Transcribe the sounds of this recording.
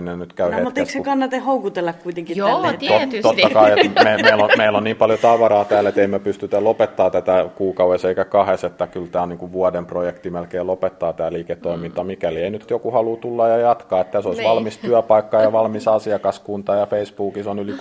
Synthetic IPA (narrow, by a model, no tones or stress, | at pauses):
nenyt̪kæyhemut̪esksekɑnːɑt̪ehoukut̪elːɑkkuit̪eŋkitt̪ot̪t̪ot̪ːɑkɑiememeilːomeilːonniːmpɑljot̪ɑʋɑrɑːt̪æːlet̪eimepyst̪yt̪ælopet̪ːɑːt̪æt̪ækuːkɑueseikækɑheset̪ːækylt̪æːoniːŋkuʋʋuɑdemprojekt̪imelkeːlopet̪ːɑːt̪æːliːket̪ːoimint̪ɑmikælieinyt̪jokuhɑluːt̪ulːɑjjɑjɑt̪kɑːet̪t̪æsoisʋɑlmist̪yæpɑikːɑjɑʋɑlmisɑsiɑkɑskunt̪ɑjɑfeisbuːkisonyli